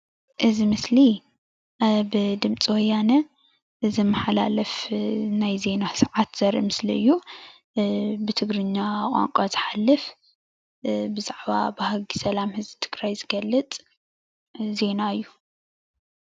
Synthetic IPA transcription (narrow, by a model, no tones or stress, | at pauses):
ʔɨzimɨsli | bɨd̪ɨmt͡sʼiwɔjːanɐ | zɐmːɐħala̰lɐfnajze̞nasɐʕat̪z̥ɐɾḭmɨsliɨ̰jːu | bɨt̪ʰɨɡɾɨɲːaχʼa̰ŋkʼazɨ̥ħalːɨf | bɨzaʕβa̰bɨhaɡisɐlamhɨzbit̪ʰɨ̥ɡɾajzɨɡɐlːɨt͡s̪ʼ | ze̞naɨjːu